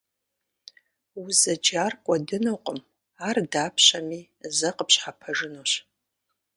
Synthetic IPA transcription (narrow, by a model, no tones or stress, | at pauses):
uzɐd͡ʒarkʷʼɐdɨnoqʷʼəm | ardaːpʰɕami | zɐqʼəpʰɕħapʰɐʐɨnoɕ